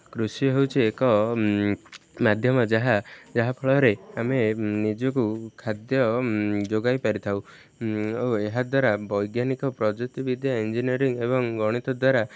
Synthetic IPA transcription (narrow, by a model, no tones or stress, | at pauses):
kɾusiɦewt͡ʃʰiekɔ | mad̪ʱjɔmɔd͡ʒaɦad͡ʒaɦapʰɔɭɔɾeamenid͡ʒɔkukʰad̪jɔd͡ʒoɡajpaɾit̪ʰaw | oeɦad̪waɾabɔjɡjanikɔpɾɔd͡ʒek̚t̪ibid̪ʱjaind͡ʒiniɔɾiŋebɔŋɡɔɽ̃it̪ɔd̪waɾa